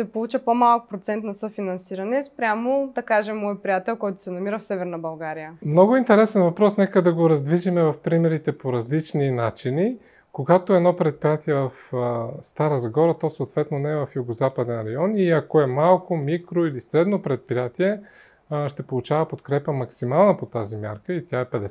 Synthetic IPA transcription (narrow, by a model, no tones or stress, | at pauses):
sɛpolˠut͡ʃəpomalˠkʊ̥pɾot̪sɛnt̪nɐsɤfinɐnsiɾɐnɛspɾʲamod̪ɐkaʒɛmːɔjpɾijat̪ɛlˠkɔjt̪ʊ̥sɛnɐmiɾəfsɛvɛɾnɐbɐlˠɡaɾijəmnɔɡʊint̪ɛɾɛsɛnvɐpɾɔsnɛkəd̪ɐɡoɾɐzd̪viʒimɛvɐfpɾimɛɾit̪ɛpoɾɐzlit͡ʃninat͡ʃini | koɡat̪oɛnɔpɾɛt̪̚pɾijat̪iɛvɐfst̪aɾəzɡɔɾət̪ɔsooːt̪vɛt̪nonɛɛvɐfjuɡozapəd̪ɛnɾɐjɔniɐkoɛmalˠkomikɾoilisɾɛd̪nopɾɛt̪̚pɾijat̪iɛ | ʃt̪ɛpolˠut͡ʃavəpot̪kɾɛpəmɐksimalˠnɐpot̪azimja̰ɾkəit̪ʲjaɛpɛd̪ɛs